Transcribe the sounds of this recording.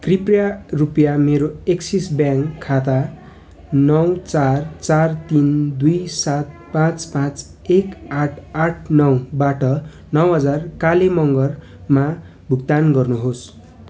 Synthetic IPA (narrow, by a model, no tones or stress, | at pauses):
kriprjarupjameɾoeksisbjãŋkʰːat̪a | nʌwt͡sart͡sart̪ind̪ujsat̪̚pãt͡spãt͡s | ekaʈʰaʈʰnʌwbaʈʌ | nʌwɦʌd͡zarkalemʌŋɡʌr | ma | bʱukt̪anɡʌrnuɦos